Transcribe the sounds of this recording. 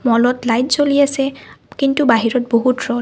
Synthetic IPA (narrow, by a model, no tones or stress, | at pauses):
mɔlɔtlajtzoliasɛkintubaɦiɹɔt̚boɦutɹɔ